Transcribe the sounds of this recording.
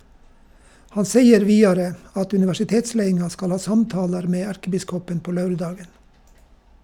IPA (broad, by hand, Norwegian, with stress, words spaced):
ˈhɑn ˈseɪəɾ ˈʋiːɑɾə ˈɑt ʉnɪʋæʃɪˈteːtˌsleɪɪŋɑ ˈskɑl ˈhɑː ˈsɑmˌtɑːləɾ ˈmeː ˈæɾkəˌbɪskɔpən ˈpoː ˈlɑʉɾˌdɑːɡən